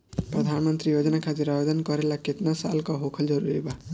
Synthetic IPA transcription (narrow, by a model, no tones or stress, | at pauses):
pɾəd̪ʱanmənt̪ɾijod͡ʒnakʰad͡ʒiɾabed̪ənkɔɾelaket̪nasalkɔɦokʰəld͡ʒʌɾuɾiba